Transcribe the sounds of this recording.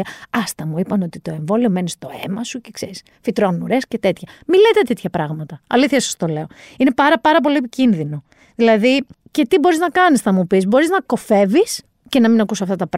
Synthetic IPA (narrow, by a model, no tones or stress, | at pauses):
ɐst̪ɐmuipɐno̞t̪it̪o̞e̞ɱvo̞lio̞me̞nist̪o̞e̞̰mɐsucekseɾis | fit̪ɾonunuɾe̞sce̞t̪e̞t̪çɐmilet̪et̪et̪çɐpɾɐɣmɐt̪ɐɐ̰liθçɐsɐ̥st̪o̞le̞o̞ine̞pɐɾɐpɐɾɐp̬o̞liepicinðino̞ | ðilɐði | ce̞t̪ibo̞ɾiznɐkɐnisθɐmupizbo̞ɾiznɐko̞fe̞vis | ce̞nɐminɐkusɐft̪ɐt̪ɐpɾ